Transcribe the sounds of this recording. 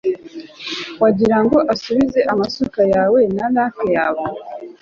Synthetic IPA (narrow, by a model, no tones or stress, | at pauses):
waɟiɾaŋɡo̞ʔasuβize̞ʔamasukajaːwe̞nanaːkejaːβa